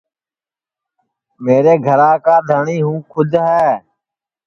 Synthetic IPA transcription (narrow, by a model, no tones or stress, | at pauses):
meːɾeːɡʱəɾãːkaːd̪ʱəɳiːɦũːkʰʊd͡ʒʱɦɛː